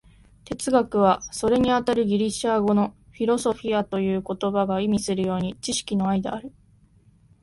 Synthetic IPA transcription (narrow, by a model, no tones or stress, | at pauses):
t̪e̞t͡sɨɡakɯ̟β̞aso̞ɾe̞ɲ̟iat̪aɾɯ̟ɡʲiɾʲiɕaɡo̞no̞ɸʲiɾo̞so̞ɸʲiat̪o̞jɯ̟ːko̞t̪o̞baɡaimʲisɨɾɯ̟jo̞ːɲ̟it͡ɕiɕi̥kʲino̞aid̪eaɾɯ̟